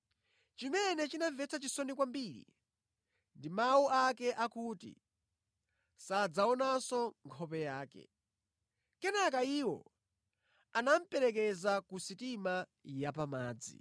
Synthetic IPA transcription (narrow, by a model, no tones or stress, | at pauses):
t͡ʃimɛnɛt͡ʃinavɛt͡sʰat͡ʃisɔnikwambiɾḭ | ndimawuakɛʔakutḭ | sad͡zaɔnasɔŋkʰɔpɛjaːkɛ̰ | kɛnak̬aiːwɔ̰ | anam̩pɛɾɛk̬ɛzakusitimajapamaːd͡zḭ